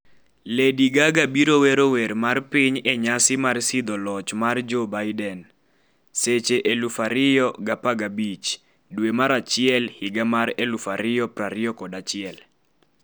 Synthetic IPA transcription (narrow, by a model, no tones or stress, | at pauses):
lediɡaɡabiɾowɛɾowɛɾmarpiɲeɲasɪmarsɪd̪ɔlɔt͡ʃmard͡ʒobajdɛn | set͡ʃeʔelufaɾɪjɔɡapaɡabit͡ʃ | dwemaɾat͡ʃɪɛlhɪɡamaɾelufaɾɪjɔpraɾɪɔkɔdat͡ʃɪɛl